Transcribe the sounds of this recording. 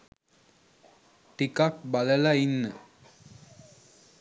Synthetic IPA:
ʈikak̚baləlainːə

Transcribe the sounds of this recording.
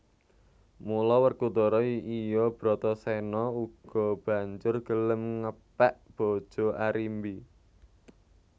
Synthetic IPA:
mulɔwərkud̪oɾɔiijɔb̥ɾɔt̪ɔsɛnɔuɡ̥ɔ̤b̥a̤ɲd͡ʒʊrɡ̥ələmŋəpɛʔb̥ɔ̤d̥ʒ̥ɔ̤ʔaɾimbi

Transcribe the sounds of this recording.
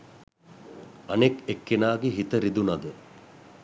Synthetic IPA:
ɐnekekːenaːɡeɦit̪əɾid̪unɐd̪ə

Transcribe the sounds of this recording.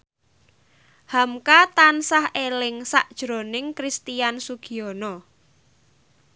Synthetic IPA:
hamkat̪ansahelɪŋsaʔd̥ʒ̥ɾo̤nɪŋkɾist̪ijansuɡ̥i̤ɔnɔ

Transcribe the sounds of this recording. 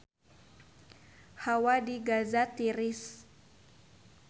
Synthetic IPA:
hawadiɡazat̪iɾɪs

